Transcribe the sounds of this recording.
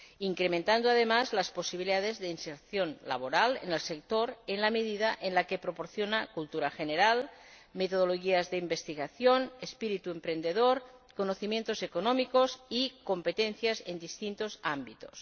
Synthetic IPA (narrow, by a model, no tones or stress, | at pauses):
iŋkɾement̪and̪oaðemazlasposiβiliðaðezðeinseɾθjonla̰β̞oɾalḛnelsek̚t̪oɾenlameðiðaʔenlakepɾopoɾθjonakult̪uɾaxeneɾalmet̪oð̞oloɣiazðeimbest̪iɣaθjonespiɾit̪uempɾend̪eðoɾkonoθimje̞nt̪osekonomikozikompet̪enθjazend̪ist̪int̪ozambit̪o̞̥s